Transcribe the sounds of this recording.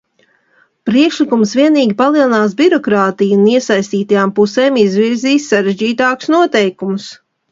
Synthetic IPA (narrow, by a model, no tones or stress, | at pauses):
pɾiɛkʃlikumsviɛniːɡʲipalˠiɛlˠinaːsbʲiɾɔkɾaːt̪ijuniɛsajst̪iːt̪ajaːmpuseːmizviɾziːsːaɾeʒd͡ʒiːt̪aːku̥snuɔt̪ɛjkumʊs